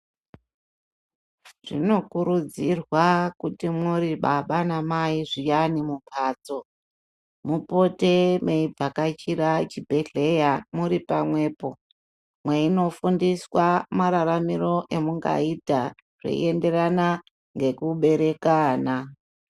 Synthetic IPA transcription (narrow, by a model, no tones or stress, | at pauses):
ʐ̥ḭno̞kuɾud͡zirwakutimuɾiɓaɓanamaiʐijanimupʰaːt͡so̞ | mupo̞te̞meib͡vakat͡ʃiɾat͡ʃibʱe̞ɮe̞jamuɾipamwe̞ːpo̞ | mweino̞fundiswamaɾaɾamiro̞ʔe̞muŋɡa̰ita | ʐ̥ḛḭe̞nde̞rana | ŋɡe̞kuɓe̞ɾe̞kaːna